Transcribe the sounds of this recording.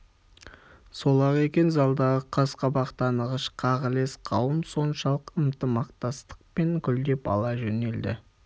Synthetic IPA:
so̞lˠɑʁe̞kʲe̞nzɑlˠd̪ɑʁəqʰɑsqɑbɑqt̪ɑnəʁəʃqʰɑʁəle̞sqʰɑwənso̞nʃɑlˠəqəmt̪əmɑqt̪ɑst̪ə̥q̚pe̞ŋkʲʰʏld̪e̞pɑ̰lˠɑʒɵne̞ld̪ɪ̰

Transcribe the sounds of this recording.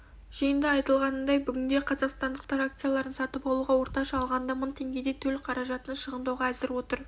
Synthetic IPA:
ʒ̥ijənd̪əɑjt̪əlˠʁɑnəd̪ɑjbʏɡʲɪnd̪e̞qʰɑzɑqst̪ɑnd̪əqt̪ɑɾak̚t̪sɨjalˠɑɾənsɑt̪əpɑlˠuʁɑwo̞ɾt̪ɑʃɑːlˠʁɑnd̪ɑməɴt̪ʰe̞ŋɡʲe̞d̪e̞t̪ʰɵlqʰɑɾɑʒɑt̪ənɑʃəʁənd̪ɑwʁɑæzɪɾwo̞t̪əɾ

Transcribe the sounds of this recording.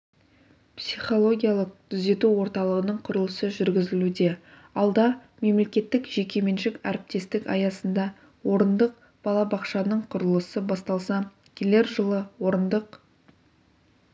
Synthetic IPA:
psiχo̞lˠo̞ɡʲijalˠəq̚t̪ʰʏze̞t̪uwo̞ɾt̪ɑlˠəʁənəɴqʰʊɾəlˠəsəʒʏɾɡʲɪzɪlud̪e̞ | ɑlˠd̪ɑ | me̞mle̞kʲe̞t̪ːɪkʒe̞kʲe̞me̞nʃɪkæ̰ɾɪp̚t̪e̞st̪ɪkɑ̰jɑsənd̪ɑ | wo̞ɾənd̪əq̚ | b̥ɑlˠɑbɑqʃɑnəɴqʰʊɾəlˠəsəbɑst̪ɑlˠsɑ | kʲʰele̞ɾʒəlˠəwo̞ɾənd̪əq

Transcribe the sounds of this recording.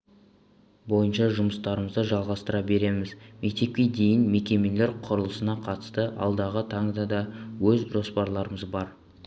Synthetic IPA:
bo̞jənʃɑʒʊməst̪ɑɾəməzd̪əʒɑlˠʁɑst̪əɾɑbe̞ɾe̞mɪzme̞k̚t̪e̞p̚kʲe̞d̪e̞jɪnme̞kʲe̞me̞le̞ɾqʰʊɾəlˠəsənɑqʰɑt̪ə̥st̪əʔɑ̰lˠd̪ɑʁət̪ʰɑŋd̪ɑd̪ɑwɵzʒo̞spɑɾlˠɑɾəməzbɑɾ

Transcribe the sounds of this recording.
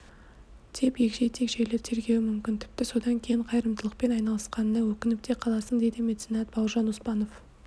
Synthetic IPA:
t̪ʰe̞pje̞kʃe̞jt̪ʰe̞kʒe̞jleɾt̪ʰe̞ɾɡʲe̞wɪmʏmkʲɪnt̪ʰɪ̥p̚t̪ɪso̞d̪ɑŋkʲʰe̞jɪɴqʰɑjɾəmd̪əlˠəqpe̞nɑjnɑlˠəsqɑnəːəwɵkʲɪnɪp̚t̪ʰe̞qʰɑlˠɑsəɴd̪e̞jd̪ɪme̞t̪senɑt̪̚b̥ɑwʒɑnʊspɑno̞f

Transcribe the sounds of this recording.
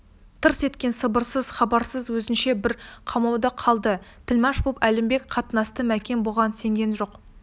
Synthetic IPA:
t̪ʰəɾse̞t̪kʲe̞nsəbəɾsəz̥χɑbɑɾsəzwɵzɪnʃe̞bɪɾqʰɑmɑwd̪əqʰɑlˠd̪ət̪ʰɪlmɑʃbupælɪmbe̞kqʰɑt̪ənɑst̪əmækʲe̞nbo̞ʁɑnse̞ŋɡʲe̞nʒo̞q

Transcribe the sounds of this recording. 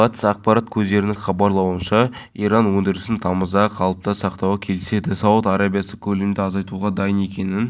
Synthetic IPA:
ɑt̪ə̥sɑq̚pɑɾɑt̪̚kʲʰɵzd̪e̞ɾɪnɪŋχɑbɑɾlˠɑwənʃɑ | ijɾɑnwɵnd̪ɪɾɪsɪnt̪ʰɑməzɑqʰɑlˠəp̚t̪ɑsɑqt̪ɑwɑkʲʰe̞lɪse̞d̪ɪsɑwət̪ɑɾɑbijɑsəkʲʰɵlemd̪ɪɑzɑjt̪uʁɑd̪ɑjəne̞kʲe̞nɪn

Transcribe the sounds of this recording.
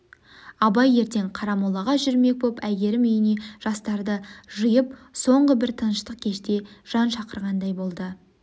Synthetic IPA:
ɑbɑje̞ɾt̪e̞ɴqʰɑɾɑmulˠɑʁɑʒʏɾme̞k̚bopæɡʲe̞ɾɪmʏjɪne̞ʒ̥ɑst̪ɑɾd̪əʒʊjəp̚so̞ɴʁəbɪɾt̪ʰənəʃt̪əq̚kʲʰe̞ʃt̪e̞ʒ̥ɑnʃɑqəɾʁɑnd̪ɑjbo̞lˠd̪ə

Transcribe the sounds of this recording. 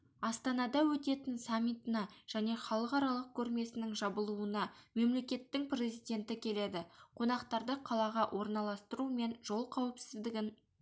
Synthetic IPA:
ɑst̪ɑnɑd̪ɑwɵt̪e̞t̪ɪnsamʲːit̪ənɑʒ̥æne̞χɑlˠəqɑɾɑlˠəq̚kʲʰɵɾme̞sɪnɪŋʒɑbəlˠuənɑme̞mle̞kʲe̞t̪ːɪŋprʲe̞zijd̪ʲe̞nt̪ɪkʲʰe̞le̞d̪ɪqʰo̞nɑqt̪ɑɾd̪əqʰɑlˠɑʁɑwʔo̞ɾnɑlˠɑst̪əɾume̞nʒo̞lˠqʰɑwəpsɪzd̪ɪɡʲɪn

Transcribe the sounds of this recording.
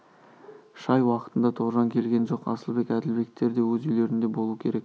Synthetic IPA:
ʃɑjwɑqət̪ənd̪ɑt̪ʰoʁʒɑŋkʲʰe̞lɡʲe̞nʒo̞qɑ̰səlˠbe̞kæd̪ɪlbe̞k̚t̪ːe̞ɾd̪e̞wɵzyjle̞ɾɪnd̪e̞bo̞lˠuəkʲʰe̞ɾe̞k̚

